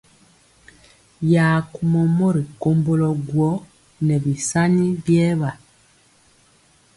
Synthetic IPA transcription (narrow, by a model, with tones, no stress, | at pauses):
jaː˨ku˨mɔ˨mɔ˦ɾi˨ko˦mbo˦lɔ˨ɡwɔ˦ | nɛ˨bi˨sa˦ni˦bjɛ˦βa˨